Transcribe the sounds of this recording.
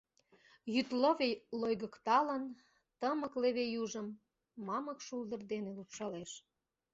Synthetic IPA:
jyt̪loβejlojɣə̆kt̪ɑlən | t̪əməkleβejuʒəmː | ɑməkʃuld̪ərd̪enelupʃɑleʃ

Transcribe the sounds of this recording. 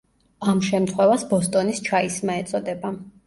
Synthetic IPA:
amʃɛmt̪ʰχwɛvasbɔst̪ʼɔnist͡ʃʰaismaɛt̪sʼɔd̪ɛba

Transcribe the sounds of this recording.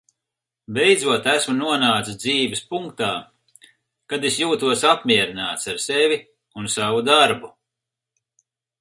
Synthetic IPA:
bejd̪zuɔt̪æsmunuɔnaːt̪sɨd̪ziːvɛspuŋkt̪aː | kad̪esjuːt̪uɔsapmiɛɾinaːt̪saɾsevʲi | unsavud̪aɾbu

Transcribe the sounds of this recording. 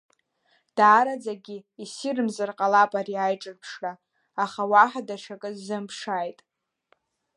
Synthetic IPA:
d̥aːɾad͡zaɡʲiisirɨmzarqʼalapʼariajʈ͡ʂʼɨrpʰʂra | aχawaħadaʂʰakʼɨzɨmpʰʂajtʼ

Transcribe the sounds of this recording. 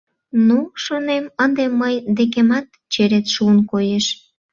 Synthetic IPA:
nuʃonemənd̪emːəjd̪ek̬emɑt̪ | t͡ɕeɾet̪ʃuənkojeʃ

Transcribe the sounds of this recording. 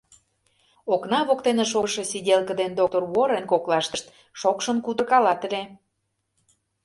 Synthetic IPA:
oknɑβokt̪eneʃoʃĕsidʲelkə̆d̪end̪ok̚t̪orwoɾenkoklɑʃt̪ə̆ʃt̪ | ʃokʃənkud̪ərkɑlɑt̪ə̆lʲe

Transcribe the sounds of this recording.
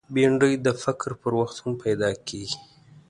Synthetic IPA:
beɳɖəjd̪əfɪkɾpəɾwaxt̪hampʰajd̪ɑkʰeɡi

